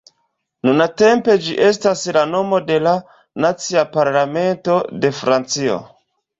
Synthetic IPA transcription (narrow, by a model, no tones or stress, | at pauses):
nunate̞mpe̞d͡ʒiʔe̞s̬taslano̞mo̞de̞la | nat͡siapaɾlame̞nto̞de̞fɾant͡sio̞̰